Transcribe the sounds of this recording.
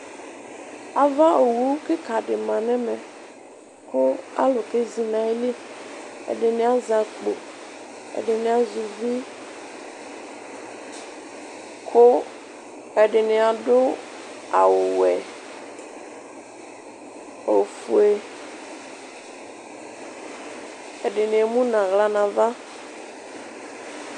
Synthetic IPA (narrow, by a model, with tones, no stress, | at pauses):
a˨va˦o˨wu˦ke˦ka˨ɖe˨mã˨nɛ̃˦mɛ̃˨ | kʰo˦a̰˦lo˨ke˦zi˨nã˨i˦li˦ḛ˨ɖe˨nẽ˦a˦za˨k͡po˨ | ḛ˨ɖe˨nẽ˨˦a˨zu˨vi˦ | kʰo˦ | e˨ɖɪ˨nẽ˨a˨ɖʊ˦ | a˨wo˨wɛ˨ | o˨fu˨e˨ | e˨ɖɪ˨nẽ˨e˨mũ˦nã˨ɣla˨nã˨va˦